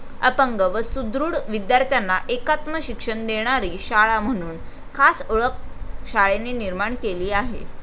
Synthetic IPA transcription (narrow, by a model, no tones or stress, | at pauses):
əpəŋɡəʋəsud̪ɾuːɽʋid̪jaɾt̪ʰjanːaʔekat̪məɕikʂəɳd̪eɽ̃aɾiːɕaɭam̤əɽ̃uːn | kʰasoɭək̚ɕaɭeneniɾmaɳkeliːaɦḛ